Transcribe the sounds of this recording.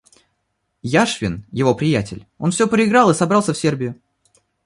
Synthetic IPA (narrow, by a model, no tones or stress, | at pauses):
jaʂvʲɪnjɪvo̞pɾʲɪjætʲɪlʲo̞nfsʲopɾʲɪɪɡɾɑlˠɨsɐbɾɑlˠsʲəfsʲe̞rbʲɪjʊ